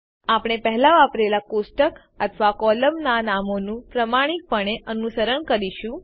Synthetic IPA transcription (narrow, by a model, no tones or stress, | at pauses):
apɳ̃epɛɦlaʋapɾelakosʈək | ət̪ʰʋakɔləmnanamonũpɾəmaɽ̃ik̚pəɳ̃eʔənusəɾəɳkəɾiʃũ